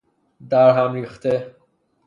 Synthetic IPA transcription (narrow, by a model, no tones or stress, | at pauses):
d̪æɾɦæmɾiːxt̪e